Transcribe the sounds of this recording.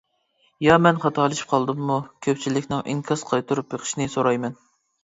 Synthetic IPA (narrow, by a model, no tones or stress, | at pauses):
jɑmɛnχɑt̪ʰɑlˠɨʃi̥p̚qʰɑlˠd̪ɨmːukʲʰøpt͡ʃʰilɪkʲnɪŋʔḭŋkʲʰɑsqʰɑjt̪ʰuɾupjeqʰə̥ʃnɪsoɾɑjmɛn